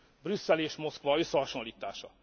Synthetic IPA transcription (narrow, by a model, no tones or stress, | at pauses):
brysːɛleːʃmo̞skʋɒø̞sːɛɦɒʃo̞nliːt̪a̰ːʃɒ